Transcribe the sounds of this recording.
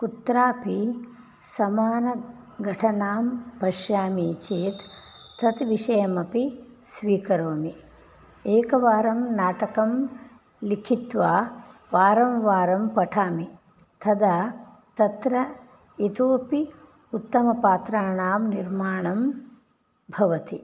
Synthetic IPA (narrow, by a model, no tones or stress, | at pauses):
kut̪ɾaːpi | sɐmaːnɐ | ɡʱɐʈʰɐnaːmpɐʃjaːmit͡ʃeːt̪ːʰ | ɐt̪ʋiʃɐjɐmɐpisʋiːkɐɾoːmi | eːkɐʋaːɾɐmnaːʈɐkɐm | likʰit̪ʋaːʋaːɾɐmʋaːɾɐmpɐʈʰaːmi | t̪ʰɐd̪aː | t̪ɐt̪ɾɐ | it̪oːpi | ut̪ːɐmɐpaːt̪ɾaːɳaːmniɾmaːɳɐm | bʱɐʋɐt̪i